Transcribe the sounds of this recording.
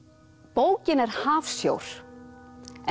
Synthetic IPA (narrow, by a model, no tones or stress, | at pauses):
poːwcɪnɛɾ̥haːfsjo̰wɾ̥ | ɛ